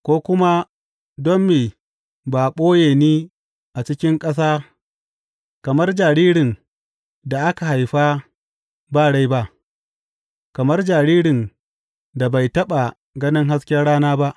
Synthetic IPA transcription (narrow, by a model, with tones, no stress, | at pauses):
kʷoː˦kʷʊ˦ma˦ | dɔ˦mːiː˨ | baː˨ɓoː˦jeː˨niː˦ | ʔa˨t͡ʃɪ˦kʲɪ˦ŋkʼɐ˦s̬aː˦ | kɐ˨mɐ˦rd͡ʒaː˨ɾiː˦ɽɪ˨ŋ | da˨ʔa˦ka˨ɦa˨jɸaː˦ | baː˦˨ɽa˦jba˦ʔ | kɐ˨mɐ˦rd͡ʒaː˨ɾiː˦ɽɪ˨n | da˨ba˨jtɐ˦ɓa˨ | ɡɐ˦nɪ˦ŋɦa˦skʲjɐ˦rɽaː˦naː˦ba˦ʔ